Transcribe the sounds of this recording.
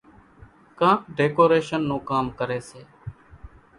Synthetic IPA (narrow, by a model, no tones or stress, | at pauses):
kãːɖeːkoːɾeːʃənːõːkaːmkəɾeːseː